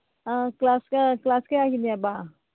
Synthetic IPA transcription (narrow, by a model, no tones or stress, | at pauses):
ãklaːskaklaːskaakinijabaː